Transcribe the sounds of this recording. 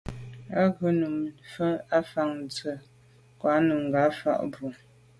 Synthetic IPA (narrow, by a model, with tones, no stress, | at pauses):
a˦ɡə˨˦nu˨mfə˦a˦fa˦˨ŋn˨t͡sə˨ | kwa˨˦nu˨m˨ɡa˨˦fa̰˦ʔbu˨